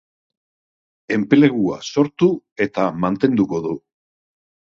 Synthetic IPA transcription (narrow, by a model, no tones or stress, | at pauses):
e̞mpele̞ɣua̰so̞ɾt̪u | e̞t̪amant̪e̞nd̪uko̞ðu